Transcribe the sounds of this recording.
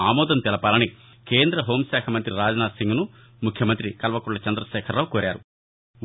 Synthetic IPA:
aːmɔːd̪ɐmt̪ɛlɐpaːlɐni | ke̞ːnd̪ɾɐɦo̞ːmsɛːkʰɐmɐnt̪ɾiɾaːd͡ʒɐnaːsiŋɡunu | mukʰjɐmɐnt̪ɾikɐlʋɐkuɭːɐt͡ʃɐnd̪ɾɐʃɛːkʰɐɾːaːwkoːɾaːɾṵ

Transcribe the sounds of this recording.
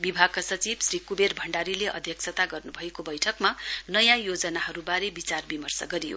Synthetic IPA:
bibʱaɡ̚kasʌt͡sibsrikuberbʱʌɳɖaɾileʔʌd̪ʱjʌksʰʌt̪aɡʌrnubʱʌekobʌjʈʰʌkmanʌjãjod͡zʌnaɦʌɾubaɾebit͡sarbimʌrsʌ̰ɡʌɾijo̰

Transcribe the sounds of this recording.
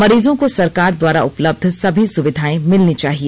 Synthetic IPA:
mɐɾiːzõkosɐɾkaːɾd̪waːɾaʊpləb̚d̪ʱsɐbʱisʊʋɪd̪ʱaːẽmɪlnit͡ʃaːɦie

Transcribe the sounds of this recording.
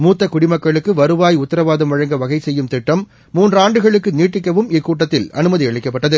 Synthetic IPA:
muːt̪ːɐkʊɽɪmɐkːɐɭɯkːɯʋɐɾɯʋaːjʊt̪ːɐɾɐʋaːðɐmʋɐɻɐŋɡɐʋɐɣɐɪsɛjːɯmt̪ɪʈːɐmː | uːndraːɳɖɯɣɐɭɯkːɯniːʈːɪkːɐʋɯmɪkːuːʈ̬ːɐt̪ːɪlɐ̰nɯmɐðiɐɭɪkːɐpːɐʈːɐðɯ

